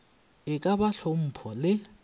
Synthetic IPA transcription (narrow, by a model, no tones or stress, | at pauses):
ɪkʼabaɬom̩pʰɔlɪ